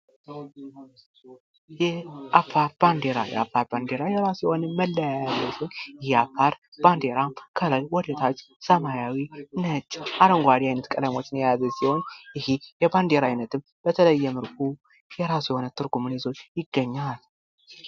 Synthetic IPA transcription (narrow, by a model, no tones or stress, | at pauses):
jɛʔafaɾb̥and̪eɾa̰jɛ̰afːaɾband̪eɾajɛɾasujɛho̞nəːəlːəjajazːəsonjɪhafaɾ | b̥and̪eɾakʰələlwɔd̪ət̪ʰat͡ʃː | səmajawinət͡ʃːʔaɾəŋɡʷad̪iajnət̪kʼələmo̞t͡ʃːnjazəsiho̞nɪhijɛband̪eɾaajnət̪ʰɨm | b̥ət̪ʰələjːɛmɨɾkʰʼu | jɛɾasujɛho̞nət̪ʰɨɾɡumnezo̞t͡ʃːjɪɡːəɲːal